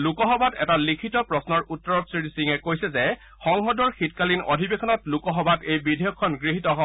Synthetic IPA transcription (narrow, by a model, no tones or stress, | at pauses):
lukɔxɔbatɛtalikʰitɔpɹɔsnɔɹutːɔɹɔtsɹitisiŋɛkojsɛzɛ | xɔŋɦɔdɔɹxitkalino̰dʱibexʰɔnɔtlukɔɦɔbatejbidʱejɔkʰːɔnɡɹiɦitɔɦɔ